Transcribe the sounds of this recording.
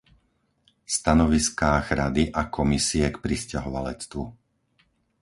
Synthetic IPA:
st̪anɔʋiskaːɣɾad̪iʔakʰɔmisiɛkpɾiscaɦɔʋalɛt͡st̪ʋu

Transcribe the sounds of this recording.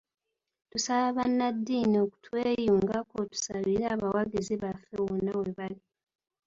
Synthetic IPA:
tusaβaβanːadːiːnio̞ku̥tweːjuːŋɡakotu̥saβiɾaːβawaɡiziβafːewonːawe̞βali

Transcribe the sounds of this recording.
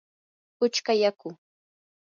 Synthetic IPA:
ʊt͡ʃkajakʊ

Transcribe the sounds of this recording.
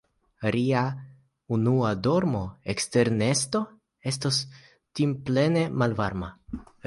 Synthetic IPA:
ɾia | unuado̞ɾmo̞ekste̞ɾne̞sto̞ | e̞stos | timple̞ne̞malvaɾma

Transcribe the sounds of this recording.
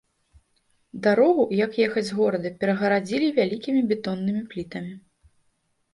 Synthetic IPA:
d̪aɾɔɣujɐkjɛxɐd͡zʲɣɔɾɐd̪ɐpʲɛɾɐɣɐɾad͡zʲilʲivʲalʲikʲimʲibʲɛt̪ɔnːɨmʲiplʲit̪ɐmʲi

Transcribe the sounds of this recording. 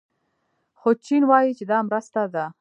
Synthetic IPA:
xot͡ʃinwɑjit͡ʃed̪ɑmɾəst̪ad̪a

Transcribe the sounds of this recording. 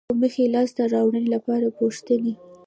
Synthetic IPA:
məxelɑst̪əɾɑwɳənelapɑɾapoʂt̪əni

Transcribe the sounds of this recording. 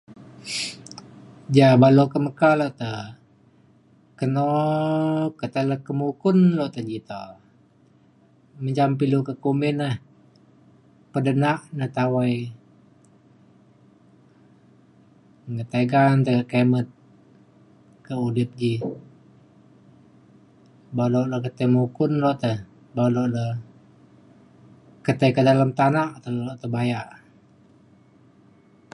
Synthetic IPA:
d͡ʒabalokəməkaloʔt̪ə | kəno | kət̪ələkəmukʊnlɔʔt̪əd͡ʒit̪o̰ | məɲd͡ʒampilukəkumɪnah | pədənaʔnət̪awaj | ŋət̪aɡant̪əɡəkemət̪̚ | kəulɪp̚d͡ʒi | baloʔləkət̪əmukʊnlɔʔt̪əh | baloʔlə | kət̪əkədalamt̪anaʔt̪əoʔt̪əbajaʔ

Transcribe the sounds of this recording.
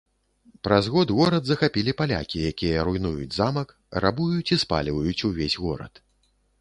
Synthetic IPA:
pɾazɣɔd̪ɣɔɾɐd̪zɐxapʲilʲipalʲa̰kʲijakʲijɐɾujnujud͡zʲzamɐk | rabujut͡sʲispa̰lʲivɐjut͡sʲuvʲesʲɣɔɾɐ̰t̪

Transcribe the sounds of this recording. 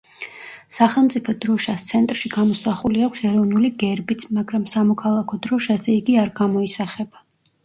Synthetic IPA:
saχɛlˠmt̪sʼipʰɔd̪̥ɾɔʃast̪sʰɛnt̪ʼɾʃiɡamɔsaχuliakʷʰsɛɾɔvnuliɡɛɾbit̪sʰmaɡɾamsamɔkʰalˠakʰɔd̪ɾɔʃazɛiɡiaɾɡamɔisaχɛb̥a

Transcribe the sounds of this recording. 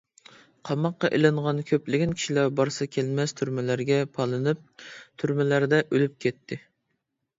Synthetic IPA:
qʰɑmɑqːɑʔelɨɴʁɑnkʲʰøplɪɡʲɪnkʲi̥ʃilæɾbɑɾsɨkʲʰɛlmɛst̪ʰyɾmɪlæɾɡʲɛpʰɑlˠɨnɨp̚t̪ʰyɾmɪlæɾd̪ɛʔølyp̚kʲʰɛt̪ʰːɪ

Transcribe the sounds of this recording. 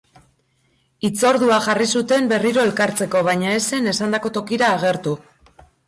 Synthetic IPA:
it͡so̞ɾðuaʝarisut̪e̞mbe̞riɾo̞e̞lkaɾt͡se̞ko̞β̞ajɲae̞se̞ne̞sand̪ako̞t̪o̞kiɾaːɣ̞e̞ɾt̪u

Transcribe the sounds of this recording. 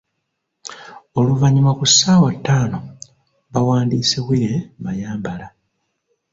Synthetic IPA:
o̞luvaɲimakusːaːwatːaːno̞ | βawaːndiːseβwiɾe̞majaːmbala

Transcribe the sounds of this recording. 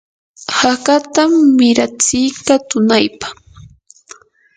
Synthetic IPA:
hakat̪amːɪɾat͡sɪjkat̪ʊnajpḁ

